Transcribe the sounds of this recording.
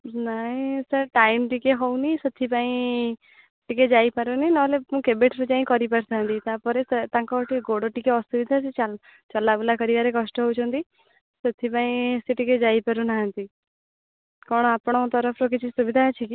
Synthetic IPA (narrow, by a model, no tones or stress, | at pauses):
naĩsəɾʈajimʈikeɦownisət̪ʰːipaĩ | ʈiked͡ʒaipaɾuninɔɦlemũkebeʈʰɾud͡ʒaĩkɔɾipaʈʰt̪ʰaɦə̃nt̪it̪apɔɾest̪ãŋkɔɔʈiɡoɽoʈikeɔsubid̪ʱasʰit͡ʃa | t͡ʃɔlabulakɔɾiʋaɾekɔsʈɔɦowt͡ʃʰɔnt̪i | sət̪ʰipaĩseʈiked͡ʒaipaɾunaɦə̃nt̪i | kɔɽ̃ɔapɽ̃ot̪ɔɾəpʰɾokit͡ʃʰisubid̪ʱat͡ʃʰiki